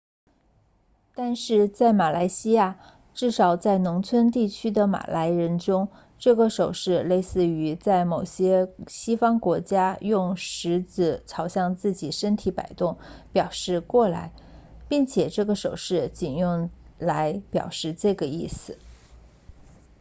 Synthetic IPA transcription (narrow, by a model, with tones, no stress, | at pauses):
t̪a˥˧nʂɻ̩˥˧t͡sa˥˩ɪma˨˩la˧˥ɪɕi˥ja˥˩ | ʈ͡ʂɻ̩˥˩ʂɑ˨˩ʊt͡sa˥˩ɪnʊ˧˥ŋt͡sʰwə˥nt̪i˥˩t͡ɕʰy˥d̪ə˨ma̰˨˩lʔa˧˥ɪɻə˧˥nʈ͡ʂʊ˥ŋ | ʈ͡ʂɤ˥˩ɡə˩ʂo˨˩ʊʂɻ̩˥˧le˥˧ɪsɹ̩˥˩y˧˥t͡sa˥˩ɪmo˨˩ʊɕjɛ˥ɕi˥fɑ˥ŋkwɔ˧˥t͡ɕja˥jʊ˥˩ŋʂɻ̩˧˥t͡sɹ̩˥˩t͡sʰɑ˧˥ʊɕjɑ˥˧ŋt͡sɹ̩˥˩t͡ɕi˨˩ʂə˥nt̪ʰi˧˥pa̰˨˩ɪt̪ʊ˥˩ŋpjɑ˨˩ʊʂɻ̩˥˧kwɔ˥˩la̰˧˥ɪpi˥˩ŋt͡ɕʰjɛ˨˩ʈ͡ʂɤ˥˩ɡə˩ʂo˨˩ʊʂɻ̩˥˩t͡ɕi˨˩njʊ˥˩ŋla˧˥ɪpjɑ̰˨˩ʊʂɻ̩˥˧ʈ͡ʂɤ˥˩ɡə˩i˥˩sɹ̩˨˩˦